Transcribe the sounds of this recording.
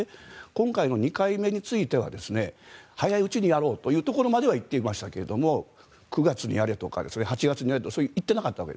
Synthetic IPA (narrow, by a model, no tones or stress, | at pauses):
ekõ̞ŋkaino̞ɲ̟ikaime̞ɲ̟it͡sɨit̪e̞βa̰d̪e̞sɨne̞hajaiɯ̟t͡ɕiɲ̟ijaɾo̞ːt̪o̞jɯːt̪o̞ko̞ɾo̞mad̪e̞β̞ait̪ːe̞imaɕi̥t̪ake̞ɾe̞d̪o̞mo̞ | kɯ̟ɡat͡sɨɲ̟ḭjaɾe̞t̪o̞ka̰d̪e̞̰sɨne̞hat͡ɕiɡat͡sɨɲiaɾet̪oasoɾit̪ːe̞nakat̪ːaβa̰kḛ